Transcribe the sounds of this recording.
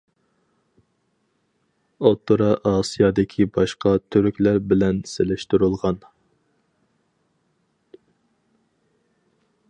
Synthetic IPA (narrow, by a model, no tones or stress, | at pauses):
ot̪ːuɾɑʔɑːsijɑd̪ɪkʲʰibɑʃqɑt̪ʰyɾkʲlæɾbɪlɛnselɪʃt̪uɾulˠʁɑn